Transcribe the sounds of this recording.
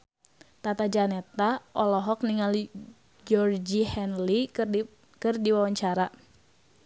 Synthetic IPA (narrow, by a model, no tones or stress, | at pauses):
t̪at̪ad͡ʒanɛt̪aʔɔlɔɦɔk̚niŋal | d͡ʒɔrd͡ʒihɛnli | kɨrdiwawaɲt͡ʃaɾa